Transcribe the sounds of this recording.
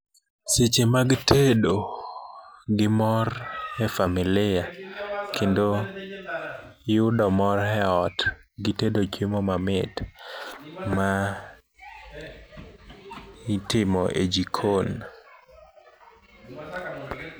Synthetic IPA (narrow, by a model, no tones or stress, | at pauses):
set͡ʃemaɡtʰedo | ɡɪmɔrhɛfamɪlɪjakʰendo | jʊdɔmɔɾɛɔt | ɡɪtedod͡ʒɪmɔmamɪt | ma | itɪmɔʔḛd͡ʒikʰon